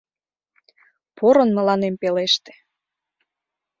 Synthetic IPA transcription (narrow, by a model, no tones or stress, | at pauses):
poɾənmə̆lɑnempeleʃt̪e̥